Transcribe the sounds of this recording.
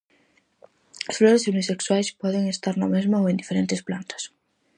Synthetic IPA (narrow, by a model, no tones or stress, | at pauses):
asfloɾesumisekswajspweðeŋest̪aɾnomezmooend̪ifeɾent̪esplant̪ḁs